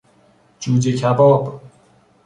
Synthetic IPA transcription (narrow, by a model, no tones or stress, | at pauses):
d͡ʒuːd͡ʒekʰæbɒːb